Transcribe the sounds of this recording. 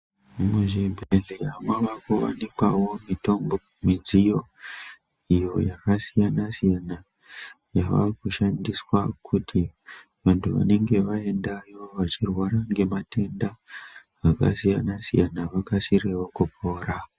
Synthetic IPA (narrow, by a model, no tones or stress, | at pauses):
muʒibʱreleɦamwaʋakoʋa̰nikwawo̞mito̞mbo | mid͡zijo̞ | ijo̞jakasijanasijana | jaʋa̰kuʃandiswakʰutʰi | ʋantʰuʋa̰ne̞ŋɡe̞ʋae̞ndajo̞ʋat͡ʃirwaɾaŋɡe̞mate̞nda | ʋaka̰sijanasḭjanaʋakasirewo̞kup̚ʰo̞ːɾa